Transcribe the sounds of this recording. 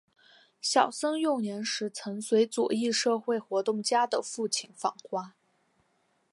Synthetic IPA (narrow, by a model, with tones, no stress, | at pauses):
ɕjɑ˨˩ʊsɤ˥ŋjʊ˥˩ŋnjɛ˧˥nʂɻ̩˧˥t͡sʰɤ˧˥ŋswe˧˥ɪt͡sṵ˨˩i˥˧ʂɤ˥˧xwe˥˩ɪxwɔ˧˥t̪ʊ˥˩ŋt͡ɕja˥d̪ə˨fu˥˩t͡ɕʰi˨˩nfɑ̰˨˩ŋxwa˥